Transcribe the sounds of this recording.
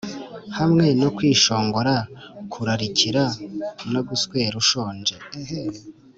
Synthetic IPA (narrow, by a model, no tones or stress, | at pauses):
hamŋe̞no̞kwiːʃo̞ːŋɡo̞ɾakʰuɾaɾiciɾanoɡuskwe̞ɾuʃo̞ːnd͡ʒe